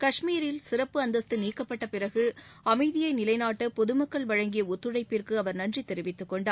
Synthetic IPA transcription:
kɐʂmiːɾɪlsɪɾɐpːɯɐnd̪ɐst̪ɯniːkːɐpːɐʈːɐpɪrɐɣɯɐmɐɪðɪjɐɪnɪlɐɪnaːʈːɐpɔðɯmɐkːɐɭʋɐɻɐŋɡɪjɐʊt̪ːɯɻɐɪpːɪrkɯɐʋɐɾnɐndrit̪ːɛɾɪʋɪt̪ːɯkːɔɳɖaː

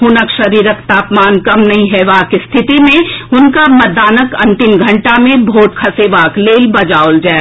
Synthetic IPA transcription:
ɦʊnəkʃɐɾiːɾəkt̪aːpmaːnkɐmnɐɦĩɦɛʋaːkst̪ʰɪt̪imẽʊnkamɐd̪aːnəkɐ̰̃nt̪inɡʱɐ̃ɳʈamẽbʱoːʈ̚kʰɐseʋaːkleːlbɐd͡ʒaːold͡ʒaː

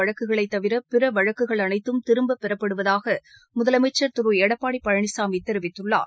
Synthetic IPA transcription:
ɐɻɐkːɯɣɐɭɐɪt̪ːɐʋɪɾɐpɪɾɐʋɐɻɐkːɯɣɐɭɐnɐɪt̪ːɯmt̪ɪɾɯmbɐpːɪɾɐpːɐɽɯʋɐðaːɣɐ | mʊðɐlɐmɐɪt͡ʃːɐɾt̪ʊɾueːɽɐpːaːɽipːɐɻɐɳɪsaːmit̪ːɪɾɪʋɪt̪ːɯɭːa̰ːɾ

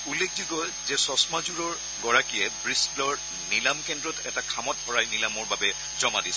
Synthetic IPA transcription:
ulːekʰdiɡɔj | zɛsɔsmazuɹɔɹ | ɡɔɹakijɛbɹislɔɹ | nilamkɛndɹɔtɛ̰takʰamɔt̚bɔɹajnilamɔɹbabɛ | zɔmadisɛ

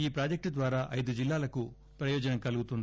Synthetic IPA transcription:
iːpɾaːd͡ʒɐk̚ʈd̪ʋaːɾaːʔɐjd̪ud͡ʒilːaːlɐku | pɾɐjɔːd͡ʒɐnɐŋkɐluɡut̪und̪i

